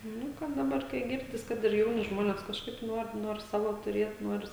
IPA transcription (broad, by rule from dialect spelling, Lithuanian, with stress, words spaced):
ˈnʊ kɐt ˈdɑːbɐr kɐɪ ˈɡʲɪrʲdʲɪs ˈkɐt ɪr ˈjɛʊnʲɪ ˈʒmoːnʲeːs kɐʃˈkɐɪp ˈnuɔr ˈnuɔr ˈsɑːʋoː tʊˈrʲiɛt nuɔrʲɪs